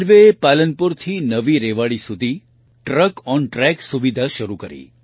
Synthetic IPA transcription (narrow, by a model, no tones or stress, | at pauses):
ɾʋeepalənpuɾt̪ʰinəʋiɾeʋaɭisud̪ʱi | ʈɾəkɔnʈɾɛksuʋid̪ʱaʃəɾukəɾḭː